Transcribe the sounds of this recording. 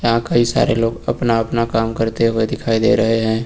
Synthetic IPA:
jɐɦãkɐɦisa̰ːɾeloːɡɐ̰pnaɐpnakaːmkəɾt̪eɦued̪ɪkʰaːid̪ḛːɾɐɦeɦɛ̃ː

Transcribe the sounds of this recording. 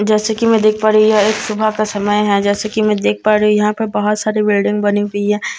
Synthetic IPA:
d͡ʒɛːsekimɛ̃d̪eːkʰpaːɾujaeːksʊbʱakasɐməjɦɛ̃d͡ʒɛːsekimɛ̃d̪eːk̚ʰpaːɾiɦujɐɦãpɐɾbɐɦʊt̪saːɾibɪlɖɪ̃ŋɡbɐniɦuiɦɛ̃

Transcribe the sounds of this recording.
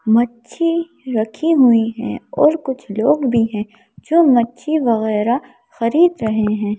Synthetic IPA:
mɐtːʃʰi | ɾɐkʰiɦʊiɦɛ̰̃ɔːɾkʊt͡ʃʰloːɡbʱiɦɛ̃ː | d͡ʒõːmɐtːʃʰiʋɐɣɛːɾa | xɐɾiːd̪ɾɐɦeɦɛ̃ː

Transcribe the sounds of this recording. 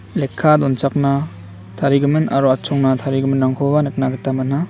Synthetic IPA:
lekʰːadɔnt͡ʃak̚na | tʰaɾiɡɯmɯnaɾɔat͡ʃʰɔŋnatʰaɾiɡɯmɯnaŋkʰɔbanɯk̚naɡɯtamana

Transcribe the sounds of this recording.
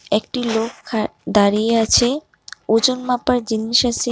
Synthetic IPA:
ek̚ʈilokʰːad̪aɾijeat͡ɕʰe | od͡ʑonmapaɾd͡ʑinːiʃase

